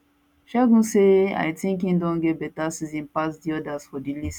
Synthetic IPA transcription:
ʃɛɡũsea̰jtĩŋk̬ĩndɔ̃nɡebɛtasizĩnpas̬diɔdasfɔdilis

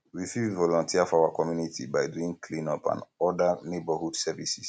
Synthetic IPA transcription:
wifivɔlɔ̃ntʰiafɔawakɔmjunitibajduĩŋkʰlĩnɔpã̰nɔdanebahudsɛvisis

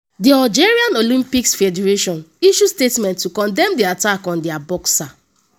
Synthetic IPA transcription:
diad͡ʒɛɹiãnolĩmpiksfɛdɛɹeʃɔ̃niʃustetmɛ̃ntːukɔ̃ndɛ̃mdiatakɔ̃ndiabɔksa

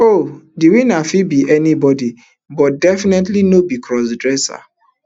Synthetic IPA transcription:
odiwinafibiʔɛnibɔdi | bɔt̚dɛfinɛtlinobikʰɹɔsdɹɛsa̰

